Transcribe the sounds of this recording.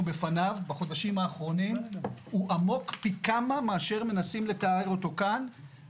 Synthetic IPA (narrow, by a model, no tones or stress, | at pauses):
ube̞fanavbaχo̞d̪aʃimaːχʁo̞nimuʔamo̞kpikamameaʃe̞ʁme̞nasimle̞taeʁo̞t̪o̞kan